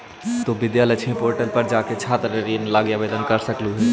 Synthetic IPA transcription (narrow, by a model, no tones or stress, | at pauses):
t̪obid̪jalət͡ʃʰĩpoɾʈəɾpəɾd͡ʒaket͡ʃʰat̪ɾeɾinlaɡjabed̪ənkəɾsəkluɦɛ